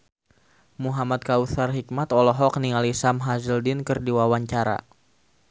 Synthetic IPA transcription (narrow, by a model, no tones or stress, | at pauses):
muɦamat̪̚kauθarɦik̚mat̪ɔlɔɦɔk̚nialisamɦazildɪnkɨrdiwawaɲt͡ʃaɾa̰